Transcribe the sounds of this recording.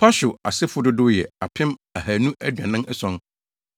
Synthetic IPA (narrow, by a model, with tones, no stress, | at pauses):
pʰa˦ɕʊ˨a̰˨sɪ˦fʊ˦dʊ˦dʊ˦jɛ˨a˨pʰɪ̃˦ma˨hæː˨nũ˦ʔæ˦dᶣã˨nɪ̃˦ɛ˦sɔ̃˦n